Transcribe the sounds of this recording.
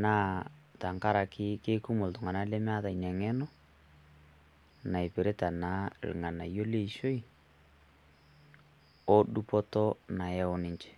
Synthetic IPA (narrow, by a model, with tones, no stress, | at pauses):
naː˦ta˨ŋka˦ɾa˨kʰɪ˦ke˦ku˦mʊ˨ltʊ˨ŋa˨na˦le˦mɪ˦a˦ta˨i˨ɲa˨ŋɛ˦nɔ˦ | na˨i˨pe˨ɾe˦ta˨na̰˦˨lŋa˨na̰˨jo˦le˦˨ʃo˦i˨ | ɔ˦ɗu˦pɔ˦tɔ˦na˨jɛ˦ɔ˦nɪ˦ɲt͡ʃɛ̥˨